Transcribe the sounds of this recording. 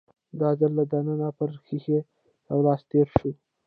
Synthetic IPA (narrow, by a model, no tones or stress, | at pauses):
d̪ɑzalːad̪ananapəɾxixe | awlɑːst̪eːɾʃu